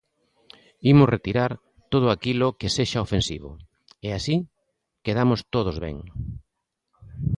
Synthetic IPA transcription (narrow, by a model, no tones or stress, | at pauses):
imʊsrʔet̪iɾaɾ | t̪oð̞ʊakilʊkeseʃaofensḭβʊ̰ | easi | keðamost̪oð̞ozβɛ̰ŋ